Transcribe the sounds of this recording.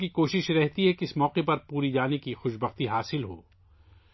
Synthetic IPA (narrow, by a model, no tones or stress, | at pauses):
kikoːʃɪʃɾɛɦt̪iɦɛkiɪsmɔːqepɐɾpuːɾid͡ʒaːnekixʊʃbɐxt̪iɦaːsɪlɦo̰ː